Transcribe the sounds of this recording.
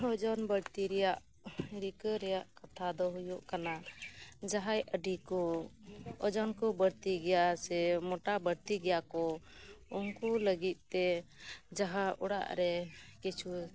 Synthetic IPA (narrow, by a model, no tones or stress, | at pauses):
ɔd͡ʒɔnbəɽt̪iɾɛjaʔ | ɾikəɾɛjaʔkat̪ʰad̪ɔɦujɔʔkana | d͡ʒaɦajəɖikɔ | ɔd͡ʒɔnkɔbəɽt̪iɡɛjasɛmɔʈabəɽt̪iɡɛjakɔ | unkɔləɡit̪̚ˀt̪ɛd͡ʒaɦaʔuɽa̰ʔɾɛkit͡ʃʰu